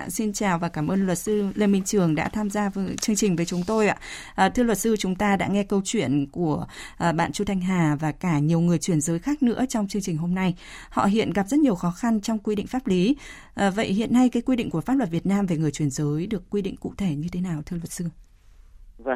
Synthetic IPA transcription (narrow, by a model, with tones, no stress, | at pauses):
si˧nt͡ɕaː˨˩wvaː˨˩kaː˧˩mʔəː˧nlwə˨˩t̚sɨ˧le˧mï˧ŋ̟t͡ɕɨ˨˩əŋɗa̰ː˧˥t̪ʰaː˧mzaː˧və˨˦t͡ɕɨ˧əŋt͡ɕi˨˩ŋ̟vəː˨˦jt͡ɕʊ˨˦ŋ͡mt̪o˧jʔa̰ː˧˨ʔəː˨˩t̪ʰɨ˧lwə˨˩t̚sɨ˧t͡ɕʊ˨˦ŋ͡mt̪aː˧ɗa̰ː˧˥ŋɛ˧kə˧wt͡ɕwḭ˧˨ənku˧˩əʔə˨˩ɓa̰ː˧˨nt͡ɕu˧t̪ʰa˧jŋ̟ɦaː˨˩vaː˨˩kaː˧˩ɲi˨˩əwŋɨ˨˩əjt͡ɕwi˧˩ənzəː˨˦jxaː˦˥k̚nɨ̰˧˥ət͡ɕɔ˧wŋ͡mt͡ɕɨ˧əŋt͡ɕï˨˩ŋ̟ɦo˧mna˧j | hɔ̰˧˨ɦḭ˧˨ənɣa˨˩p̚z̥ə˦˥t̚ɲi˨˩əwxɔ˨˦xa˧nt͡ɕɔ˧wŋ͡mkwi˧ɗḭ˧˨ŋ̟faː˦˥p̚li˨˦ | ʔə˨˩və̰˧˨jhḭ˧˨ənːa˧jkaː˨˦jkwi˧ɗḭ̈˧˨ŋ̟ku˧˩fa˦˥p̚lwə˨˩t̚vi˨˩ət̚naː˧mve˨˩ŋɨ˨˩əjt͡ɕwi˧˩ənzəː˨˦jɗɨ˨˩əkːwi˧ɗḭ˧˨ŋ̟kṵ˧˨t̪ʰe˧˩ɲɨ˧t̪ʰe˨˦naː˨˩wt̪ʰɨ˧ələ˨˩t̚sɨ˧